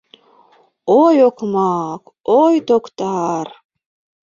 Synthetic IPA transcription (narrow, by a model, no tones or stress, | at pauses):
ojokʰmɑk | ojt̪okt̪ɑr